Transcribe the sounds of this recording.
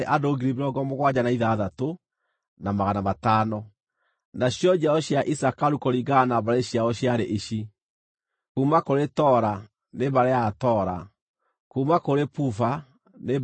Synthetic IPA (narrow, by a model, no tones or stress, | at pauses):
ʔadoɡiɾibeɾɔɡɔmoɣwad͡ʑanaiðaðato | namaɣanamataːnɔ | naɕjɔd͡ʑaɔɕjaʔisakaɾukoɾiɡanabaɾeɕjaɔɕjaɾeʔiɕi | kuːmakoɾetɔɾa | neβaɾeatɔːɾa̰ | kumakoɾepufa | ne